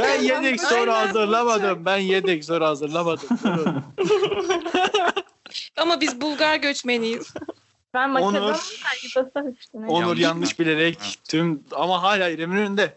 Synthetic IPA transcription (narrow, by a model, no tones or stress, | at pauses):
bænjed̪ɛksoɾɦazˠɯɾlˠamad̪ɯmbænjed̪ɛcs̬oɾhazɯɾlˠamad̪ɯmuɾo | amabizbulˠɡaɾɟøt͡ʃmenijiz̥ | bænmaonuɾsæɾɡiasayʃt̪ynonuɾjanːˠɯʃbilʲe̞ɾɛct̪ʰymamaɦaːlʲaːiɾemilyynd̪ɛ